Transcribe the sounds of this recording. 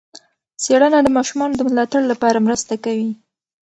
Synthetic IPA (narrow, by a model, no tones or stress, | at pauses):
seɽənad̪əmɑʃumɑnod̪əmlɑt̪aɽlapɑɾamɾəst̪akawi